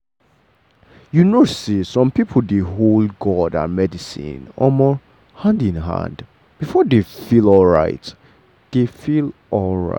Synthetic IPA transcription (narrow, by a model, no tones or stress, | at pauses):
junosisɔ̃mpipʰl̩deɦolɡɔda̰mɛdisḭ̃nɔ̰mɔ | hãndĩnɦã̰nd | b̥ifɔdefilɔlɹa̰ɪt | d̥efilʔɔlˠɹa̰